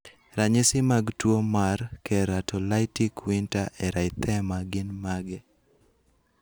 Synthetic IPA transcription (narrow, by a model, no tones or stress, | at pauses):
ɾaɲɪsɪmaɡtwomarkɛɾatɔlaɪtikwintaʔɛɾʔaɪt̪ɛmaɡɪnmaɡɛ